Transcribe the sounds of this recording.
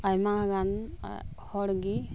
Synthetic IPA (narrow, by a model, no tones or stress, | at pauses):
ajmaɡan̰ | hɔɽɡi